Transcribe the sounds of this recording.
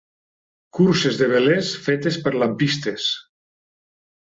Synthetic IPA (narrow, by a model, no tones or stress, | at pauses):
kuɾsezðeβelesfet̪espeɾlampist̪es